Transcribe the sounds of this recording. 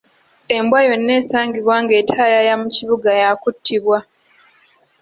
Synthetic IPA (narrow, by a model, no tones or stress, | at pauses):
e̞mbwajo̞nːe̞ːsaːŋɡiβwaːŋɡe̞ːtʰalajamuciβuɡajakutʰːiβwa